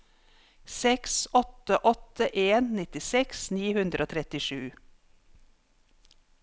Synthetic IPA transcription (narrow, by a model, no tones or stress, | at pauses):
sɛksɔt̪əʔɔt̪əʔeːnnɪt̪ɪsɛksniːhʉnd̪ɾʔoːt̪ʰɾɛt̪ɪʃʉː